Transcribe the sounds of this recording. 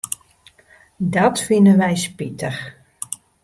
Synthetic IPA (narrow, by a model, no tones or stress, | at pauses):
dɔtfinənʋɛjspitəx